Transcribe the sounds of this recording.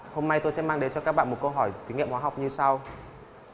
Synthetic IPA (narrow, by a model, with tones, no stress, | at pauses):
ho˧mna˧jt̪o˧jsɛ̰˧˥maː˧ŋɗe˨˦nt͡ɕɔ˧kaː˦˥k̚ɓa̰˧˨mo˨˩t̚kə˧wɦɔ˧˩jt̪i˨˦ŋḭ˧˨hwaː˨˦a˨˩wk͡p̚ɲɨ˧sa˧w